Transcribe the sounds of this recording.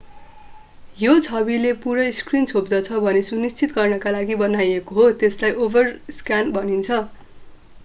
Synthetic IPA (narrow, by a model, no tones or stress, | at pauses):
jot͡sʰʌbilepuɾʌiskrint͡sʰobd̪ʌt͡sʰʌbʱʌnesunist͡sit̪ɡʌrnʌkalaɡibʌnajekoɦot̪eslajobʌrskjanbʌnint͡sʰʌ